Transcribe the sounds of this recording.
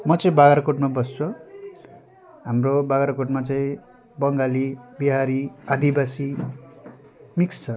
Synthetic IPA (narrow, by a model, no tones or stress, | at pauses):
mʌt͡sʌĩbaɡaɾkoʈmabʌst͡sʰo | ɦamrobaɡaɾkoʈmat͡saĩ | bʌŋɡalibiɦaɾiad̪ibasi | mikst͡sʰʌ